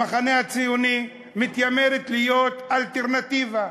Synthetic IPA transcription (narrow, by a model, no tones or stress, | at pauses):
aχanehat͡sijuni | mit̪jameɾet̪lijo̞t̪alt̪eʁnat̪iva